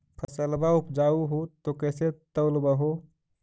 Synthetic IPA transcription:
pʰəsəlbaupd͡ʒauɦot̪okɛːset̪əwlbəɦo

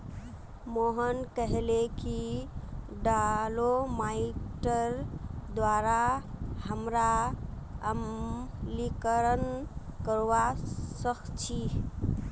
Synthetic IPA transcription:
moɦənkəɦleki | ɖalomaiʈəɾd̪waɾahəmɾa | əmlikəɾənkəɾʋasəkʰt͡ʃʰi

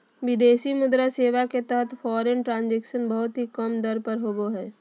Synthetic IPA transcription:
ʋɪd̪eːsimʊd̪ɾaseːʋaket̪ɛɦət̪ʰfɔːɾenʈɾãːnd͡ʒɛːkʃənbəɦʊt̪ɦikɐmd̪əɾpəɾɦoːboɦɛː

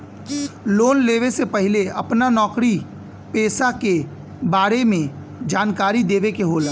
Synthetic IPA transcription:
loːnleːʋesepɐɦɪleɐpnanɔːkɾi | peːsake | baːɾemẽ | d͡ʒaːnkaːɾid̪eːʋekeɦoːla

